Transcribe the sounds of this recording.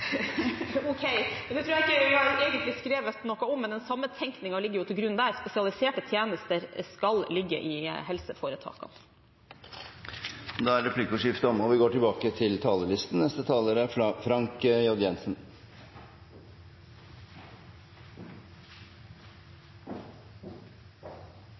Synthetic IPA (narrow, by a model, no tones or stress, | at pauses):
ɔkʰeɪd̪ɛt̪ʰɾʉːjæɪkːəɪɑɾeːɡənt̪lɪskɾeːʋət̪nɔkːɑɔmːɛnd̪ɛnsɑmːət̪ʰɛŋknɪŋɑlɪɡːəɾjʊt̪ʰɪlɡɾʉnd̪ææɾspɛsɪɑlɪseːʈət̪ʰjeːnəst̪əɾskɑllɪɡːə̰ʔɪɦɛlsəfoːɾət̪ʰɑ̰ːkɑ̰ | d̪ɑæɾɾɛpʰlikʊʂɪft̪əɔmɔʋɪɡoːʈɪlbɑːkət̪ʰɪlt̪ʰɑːləlɪst̪n̩nɛst̪ət̪ʰɑːləɾæfɾɑŋkjɑd̪jɛnsn̩